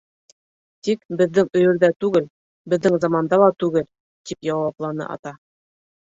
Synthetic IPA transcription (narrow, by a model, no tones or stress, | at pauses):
t̪ikbɘ̆ðːɘŋɵ̆jɵ̆ɾðæt̪ʉɡɘl | bɘ̆ðːɘŋzɑmɑnd̪ɑlˠɑt̪ʉɡɘl | t̪ipjɑwɑplˠɑnɤ̰ʔɑ̰t̪ɑ